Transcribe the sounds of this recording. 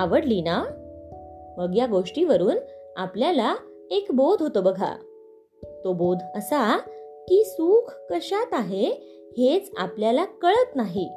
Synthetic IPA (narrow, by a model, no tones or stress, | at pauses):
aʋəɽlina | məɡjaɡoʂʈiʋəɾuːn | apljala | ekbod̪ʱɦot̪obəɡʱa̰ | t̪obod̪ʱəsakiːsuːkʰkəɕat̪aɦe | het͡sa̰pljalakəɭət̪naɦi